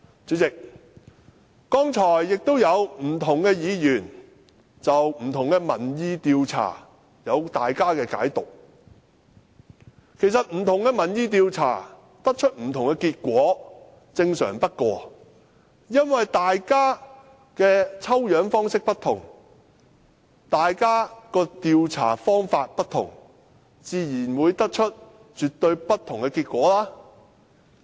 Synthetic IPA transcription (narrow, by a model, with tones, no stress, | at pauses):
t͡syː˨˥t͡sɪ˨k̚ | kɔː˥ŋt͡ʃʰɔː˨˩jːɪ˨k̚t̪o˥wjɐ˨˧wm̩˨˩t̪ʰʊ˨˩ŋkɛː˧jiː˨˧jyː˨˩n | t͡sɐ˨wm̩˨˩t̪ʰʊ˨˩ŋkɛː˧mɐ̰˨˩njiː˧t̪iː˧wt͡sʰa̰ː˨˩ | jɐ˨˧wt̪aː˨jkaː˥kɛː˧ka̰ː˨˥jt̪ʊ˨k̚ | kʰe˨˩jsɐ˨t̚m̩˨˩t̪ʰʊ˨˩ŋkɛː˧mɐ˨˩njiː˧t̪̬iː˧wt͡sʰa̰ː˨˩ | t̪ɐ˥k̚t͡ʃʰɵ˥t̚m̩˨˩t̪ʰʊ˨˩ŋkɛ˧kiː˧t̚kʷɔː˨˥ | t͡sɪ˧ŋsœ̰ː˨˩ŋpɐ˥t̚kɔː˧ | jɐ˥nwɐ˨jt̪aː˨jkaː˥ | kɛː˧t͡sʰɐ˥wjœː˨˥ŋfɔː˥ŋsɪ˥k̚pɐ˥t̪ʰʊ˨˩ŋ | t̪aː˨jkaː˥kɔː˧t̪iː˨˧wt͡sʰa̰ː˨˩fɔː˥ŋfaː˧t̚pɐ˥t̪ʰʊ̰˨˩ŋ | t͡siː˨˧jiː˨˩nwuː˨˧jt̪ɐ˥k̚t͡ʃʰɵ˥t̚ | t͡ʃyː˨t̪ɵ˧ɥpɐ˥t̪ʰʊ˨˩ŋkɛ˧kiː˧t̚kʷɔː˨˥laː˥